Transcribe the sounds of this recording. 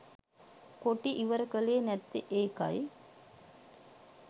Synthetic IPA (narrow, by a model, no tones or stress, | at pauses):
koʈːiʔiʋɐɾɐkɐlenɛt̪ːiʔeːkɐ̰j